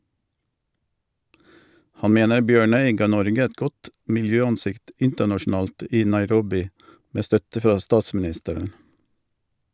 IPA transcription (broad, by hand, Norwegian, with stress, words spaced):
ˈhɑn ˈmeːnəɾ ˈbjøːˌɳœʏ ˈɡɑː ˈnɔɾɡə ˈɛt ˈɡɔt mɪlˈjøːɑnˌsɪkt ˈɪntənɑʃɳ̩ˌɑːlt ˈiː nɑɪˈɾɔbɪ ˈmeː ˈstœtə ˈfʁɑː ˈstɑːsmn̩ˌɪstəɾən